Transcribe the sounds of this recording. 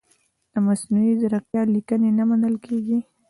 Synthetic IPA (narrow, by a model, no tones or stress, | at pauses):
d̪̥əmasnuizaɾaq̚jɑlikənenamanəlkʰeɡi